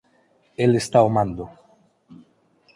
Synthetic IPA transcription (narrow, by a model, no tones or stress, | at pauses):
elest̪aumãnd̪o